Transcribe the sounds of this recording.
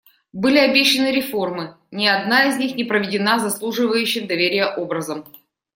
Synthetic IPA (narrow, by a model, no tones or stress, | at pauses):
bɨlʲɪɐbʲeɕːɪnɨɾʲɪfo̞rmɨ | nʲɪɐd̪naɪzʲnʲixnʲɪpɾəvʲɪdʲɪnazɐslˠuʐɨvəjʉɕːɪxd̪ɐvʲeɾʲɪjəʔo̞bɾəzəm